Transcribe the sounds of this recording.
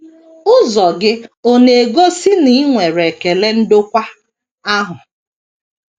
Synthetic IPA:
ʊ˦zɔ˨ɡɪ˦o˦ne˨e˨ɡo˦si˦ni˦ŋʷe˨ɾe˨ke˨le˦n̩˦dʊ˦kʷa˦ | a˦ɦʊ˨

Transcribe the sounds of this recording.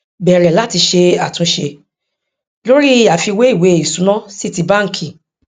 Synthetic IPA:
bɛ˨ɾɛ˨la˦ti˧ʃe˧a˨tũ˨˧˦ʃe˧ | lo˦ɾi˦˨ja˨˦fi˧we˨˦i˦˨we˨˦i˦˨sũ˨˦nã˦si˦˨ti˧ba˦ŋ̩˨kʰi˨

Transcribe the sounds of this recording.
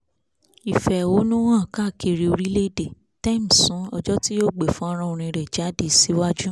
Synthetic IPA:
i˨fɛ˨wo˨˦nũ˦wã˦˨ka˦˨ke˧˨ɾi˧o˧ɾi˦le˦˨de˨ | ta˦˨m̩˨sũ˨˦ɔ˧d͡ʒɔ˦ti˦jo˦˨ɡ͡be˨fũ˦ɔ˦ɾ̃ã˦o˧ɾ̃ĩ˧ɾɛ˨d͡ʒa˨˦de˧˨si˨˦wa˦d͡ʒu˦

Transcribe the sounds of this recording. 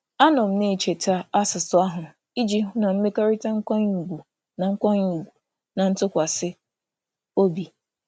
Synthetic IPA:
a˦nɔ˨m̩˦ne˨t͡ʃe˨ta˦a˦sɪ˨sʊ˨a˦ɦʊ˨ | i˦d͡ʒi˦ɦʊ˦na˨m̩˦me˦ka˦ɾi˦ta˦ŋ̩˦kʷa˦ɲu˨ɡu˨ | na˨ŋ̩˦kʷa˦ɲu˨ɡu˨ | na˨n̩˦tʊ˦kʷa˨sɪ˦ | o˦bi˨

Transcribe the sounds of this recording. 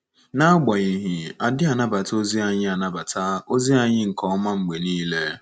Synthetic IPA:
na˦ɡ͡ba˨i˨ɦi˨a˨dɪ˦a˨na˦ba˨to˦zi˦a˨ɲɪ˦a˨na˦ba˨tʰa˦o˦zi˦a˦ɲɪ˦ŋ̩˨kɔ˨˦ma˦ŋ͡m̩˨ɡ͡be˨niː˦le˦

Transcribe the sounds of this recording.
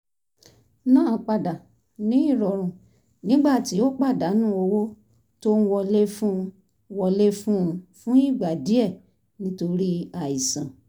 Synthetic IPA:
nãː˦˨k͡pa˧˨da˨ | nĩ˦i˦˨ɾɔ˨ɾ̃ũ˨ | nĩ˦ɡ͡ba˦˨ti˨˦o˦k͡pa˦˨da˨˦nũ˦o˧wo˦ | to˦n̩˦wɔ˧le˦fũ˦˧ | wɔ˧le˦fũ˦ũ˧fũ˦i˦˨ɡ͡ba˨di˨˦ɛ˦˨ | nĩ˦to˧ɾi˦a˨i˨sã˨

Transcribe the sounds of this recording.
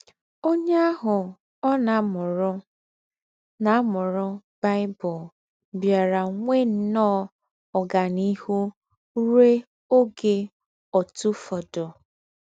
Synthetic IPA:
o˦ɲe˦a˦ɦʊ˨ | ɔ˦na˨mʊ˨ɾʊ˦ | na˨˦mʊ˨ɾʊ˦ba˦ɪ˦bʊ˨l | bja˨ɾa˨ŋʷe˦n̩˦nɔ˦˨ | ɔ˨ɡa˨ni˦hu˦ | ɾe˦ | o˦ɡe˦ | ɔ˨tu˦fɔ˨dʊ˨

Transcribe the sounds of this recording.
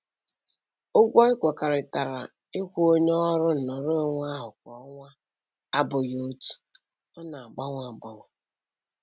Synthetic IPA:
ʊ˦ɡʷɔ˦ɪ˦kʷɔ˨ka˨ɾɪ˨ta˨ɾa̰˨ | ɪ˦kʷu˦o˦ɲe˦ɾʊ˦n̩˨nɔ˨ɾo˦ŋʷa˦ɦʊ˨k̚ʷɔ˨˦ŋʷa˦ | a˦bʊ˨joo˦tu̥˦ | ɔ˦na˨a˨ɡ͡ba˦ŋʷa˨ɡ͡bɔ˨ŋʷa˨

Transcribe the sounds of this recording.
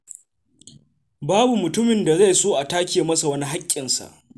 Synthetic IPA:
baː˦bu˨mʊ˨tʊ˦mɪ˨nda˨za˦˨jsoː˦ʔa˨taː˦kʲeː˨mɐ˦sa˨wɐ˦ni˦ɦa˦kʲʼːɪ˨nsa̰˨ʔ

